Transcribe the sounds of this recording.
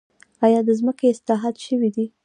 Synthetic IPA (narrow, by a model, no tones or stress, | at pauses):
ɑjɑd̪əzməkeɪslɑɦɑd̪ʃəwid̪i